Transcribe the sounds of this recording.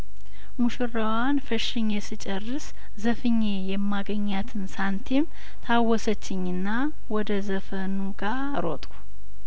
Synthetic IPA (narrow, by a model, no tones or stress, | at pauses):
muʃɨrəwanfəʃɪɲːɛsɨt͡ʃʼərːɨs | zəfɨɲːejɛmːaɡəɲːat̪ʰɨnsant̪ʰem | t̪ʰawːɔsət͡ʃːɪɲːɨnːa | wɔd̪əzəfənuɡa | ɾo̰t̪ʼu̥